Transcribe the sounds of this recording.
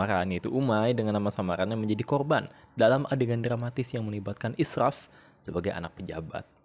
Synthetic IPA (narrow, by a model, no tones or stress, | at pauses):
aɾanjait̪uʔumajdəŋanːamasamaɾanɲaməɲd͡ʒadikɔrbandalamʔadeɡandɾamat̪ɪsjaŋmənibat̪̚kanʔisraf | səbaɡajʔa̰nak̚pəd͡ʒaba̰t̪̚